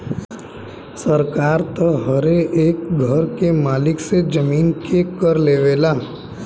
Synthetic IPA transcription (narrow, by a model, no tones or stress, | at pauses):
səɾkaːɾt̪əɦəɾeʔeːkɡʱəɾkemaːlɪksed͡ʒəmiːnkekəɾleːʋeːlaː